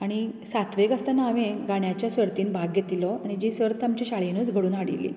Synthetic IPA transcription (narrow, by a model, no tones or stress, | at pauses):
aɽ̃isat̪ʰʋeɡast̪anaːʋẽɡaɳjat͡ɕjasəɾt̪iːnbʱaɡjet̪ilɔaɽ̃id͡ʑiːsəɾt̪amt͡ɕiɕaɭenut͡sɡʱəɽuːnɦaɽḭlḭː